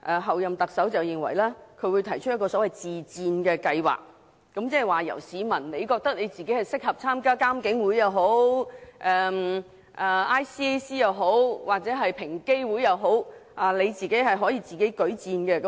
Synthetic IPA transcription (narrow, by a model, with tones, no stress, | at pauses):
ʔɛː˨˩ɦɐ˨wjɐ˨mt̪ɐ˨k̚sɐ˨˥wt͡sɐ˨wjɪ˨ŋwɐ̰˨˩jlɛː˥kʰɵ˨˧˥wu˨˧jt̪ʰɐ˨˩jt͡ʃʰɵ˥t̚jɐ˥kɔː˧sɔː˨˥wɐ˨jt͡siː˨˩t͡siː˧nkɛː˧kɐ˧jwa̰ː˨˩k̚ː | ɐ˨˧˥mt͡sɛː˥˩˨waː˨˩jɐ̰˨˩wsiː˨˧mɐ˨˩nnle˨˧jkɔː˧k̚t̪ɐ˥k̚ne˨˧jt͡siː˨ke˨˥jhɐ˨jsɪ˥k̚hɐ˨p̚t͡sʰaː˥mkaː˥kaː˥mkɪ˨˥ŋwuː˨˥jjɐ˨˧wɦo˨˥wʔɛː˨m | ʔɛ˨ʔaː˥jsiː˥e˥siː˥jɐ˨˧wɦo˨˥wwaː˨˩k̚t͡sɛː˨˥ɦɐ˨jpʰɪ˨˩ŋke˥jwu˨˥jɐ˨˧wɦo˨˥wʔaː˨le˨˧jt͡siː˨ke˨˥jɦɐ˨jɦɔː˨˥jiː˧t͡siː˨ke˨˥jkɵ˨˥ɥt͡siː˧nɡɛː˧kɐ˨˦